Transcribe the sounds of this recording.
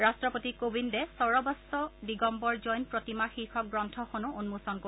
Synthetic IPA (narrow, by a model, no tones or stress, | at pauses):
ɹastɹɔpotikobindɛsɔɹɔbɔsɔdiɡɔmbɔɹzɔjnpɹotimaxixɔk̚ɡɹɔntʰɔxonuunmusɔnko